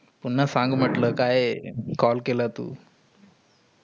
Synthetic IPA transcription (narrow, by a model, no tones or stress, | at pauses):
punːasãŋɡm̤əʈləːkajkɔlkelat̪ṵː